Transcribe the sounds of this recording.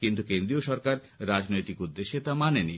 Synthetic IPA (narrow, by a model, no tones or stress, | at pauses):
kint̪ukend̪ɾioʃɔɾkaɾ | ɾad͡ʑnojt̪ikud̪ːeʃet̪amaneni